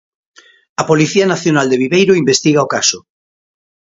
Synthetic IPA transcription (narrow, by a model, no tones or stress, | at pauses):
ɐpoliθianaθjonald̪eβ̞iβejɾoimbest̪iɣaokaso